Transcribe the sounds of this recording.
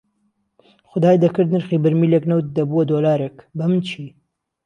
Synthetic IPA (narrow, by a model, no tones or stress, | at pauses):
xʊd̪aːjd̪ɐkɨɾd̪nɨɾxiːbɨɾmiːleknɐwt̪̚d̪ɐbuwɐd̪oːlaːɾekbɐmɨnt͡ʃʰi